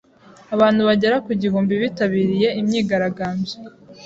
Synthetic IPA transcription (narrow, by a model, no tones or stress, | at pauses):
aβaːnhuβaɟe̞ɾakuɟiɦuːmbiβitaβiːɾije̞imɲiːɡaɾaɡaːmbje